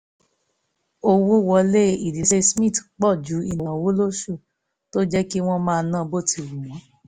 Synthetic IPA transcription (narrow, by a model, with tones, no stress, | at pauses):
o˧wo˦wɔ˧le˦i˨di˨˦se˦smĩ˦˨tk͡pɔ˦˨d͡ʒu˨˦i˧n˨wwo˨˦lo˦ʃu˦˨ | to˦d͡ʒɛ˦ki˦w̃ɔ̃˦mãː˦˧˦nã˦˧bo˦˨tʰi˧˨wũ˨wɔ̃˨˦